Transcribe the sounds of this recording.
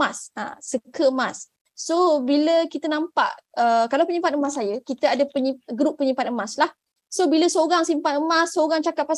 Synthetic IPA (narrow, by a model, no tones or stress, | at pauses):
asa̰səkəəmãs | sobiləkit̪ənãmpa̰ʔəkalawpəɲĩmpat̪̚əmas̬ːajəkit̪əadəpəɲiɡɾupːəɲimpat̪̚əmaslah | sobiləsoɣaŋsimpat̪̚əmasːoɣaŋt͡ʃakatʔ̪̚pas